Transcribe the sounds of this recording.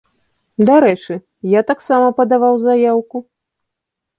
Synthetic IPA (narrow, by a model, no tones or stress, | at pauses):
d̪aɾɛt͡ʂɨ | jat̪aksamɐpɐd̪avawzajawku